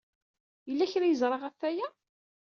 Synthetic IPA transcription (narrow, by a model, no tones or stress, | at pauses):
jəlːæçɾæjəzˤɾˤɑʁæfːæjæ